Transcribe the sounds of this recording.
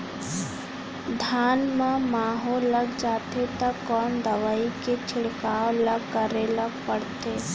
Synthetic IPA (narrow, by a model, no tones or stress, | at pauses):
d̪ʱjaːnmãmaːɦolːɐɡd͡ʒaːt̪et̪ɐkːɔːnd̪ɐʋaːiket͡ʃʰɪɽkaːolɐɡkəɾeləɡpəɽt̪eː